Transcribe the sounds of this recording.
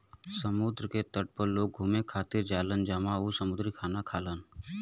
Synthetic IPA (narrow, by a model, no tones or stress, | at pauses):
səmuːd̪ɾəket̪əʈ̚pəɾloːɡ̚ɡʱuːmekʰaːt̪ɪɾd͡ʒaːlənd͡ʒamausəmʊd̪ɾikʰaːnakʰaːlən